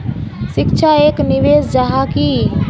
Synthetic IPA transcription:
sɪkʃʰaeːknɪʋeːsd͡ʒaɦakiː

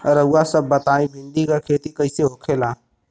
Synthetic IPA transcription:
əɾəʊasəbːət̪aːĩbʱɪ̃ɳɖ̪ikakʰeːt̪ikəɪseɦokʰelãː

